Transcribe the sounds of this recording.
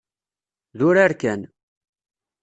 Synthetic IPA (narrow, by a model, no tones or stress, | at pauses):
ðʊɾaɾkæn